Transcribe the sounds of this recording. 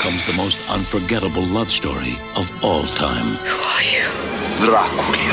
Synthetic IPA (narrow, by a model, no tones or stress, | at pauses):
kʰʌ̃mzðəmoʊstʌ̰̃nfə˞ɡɛɾəbl̩ˠlʌv̥stɔ̰ɹḭ | ʌvɔlˠtʰã̰ɪ̃mhuajɨðɾakʰul